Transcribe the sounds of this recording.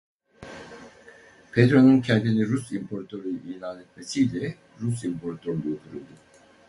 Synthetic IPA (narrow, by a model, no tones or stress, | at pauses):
pʰed̪ɾo̞nuncʰɛnt̪iniɾusimpʰoɾt̪ʰøɾyjiːlʲaːnet̪mesijlʲɛ | ɾusimpʰo̞ɾat̪ʰøɾluot̪ʰuɾṵlˠd̪u